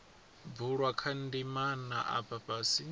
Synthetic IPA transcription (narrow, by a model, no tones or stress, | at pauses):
b̪uɺwakʰandimanaʔa̰papʼasi